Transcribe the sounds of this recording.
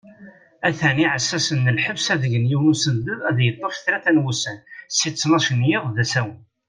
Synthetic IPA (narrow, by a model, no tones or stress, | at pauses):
æθæniʕəsːæsənːəlħəbsæðəʝənjiwnusənd̪əðˤæðjət̪ˤːofθɾæθænwusənsit͡sːnɑʃənjɪðˤðæsæwən